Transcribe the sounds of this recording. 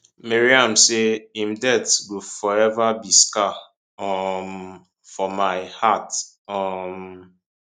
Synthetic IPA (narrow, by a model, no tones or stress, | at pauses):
meɾiam̩seĩm̩dɛtɡufɔɛvabiska | ɔm | fɔmaɪhat | ɔm̩